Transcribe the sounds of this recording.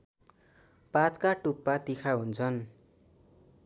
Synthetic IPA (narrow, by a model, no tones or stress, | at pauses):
pat̪kaʈupːat̪ikʰaɦunt͡sʰʌn